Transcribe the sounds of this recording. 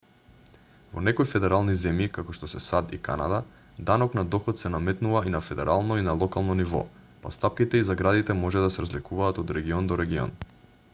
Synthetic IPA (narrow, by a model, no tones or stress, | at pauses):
vɔ̰nɛkojfɛd̪ɛɾalˠnizɛmjikakoʃt̪ɔsɛsad̪ika̰na̰d̪a | d̪anɔknad̪ɔxɔt̪sɛnamɛt̪nuvainafɛd̪ɛɾalˠnɔinalˠɔkalˠnɔnivɔ̰ | pa̰st̪ap̚kit̪ɛizaɡɾad̪it̪ɛmɔʒɛd̪asɛɾazlikuvaːt̪ɔd̪ɾɛɡiɔnd̪ɔɾɛɡiɔ̰n